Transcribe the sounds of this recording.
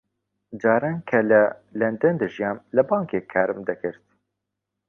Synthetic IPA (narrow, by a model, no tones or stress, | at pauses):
d͡ʒɑːɾaːnkʰɛlɛlɛnd̪ɛnd̪ɨʒijɑːnlɨbɑːŋkeːkʰaɾɨmd̪ɛkɨɾt̪̚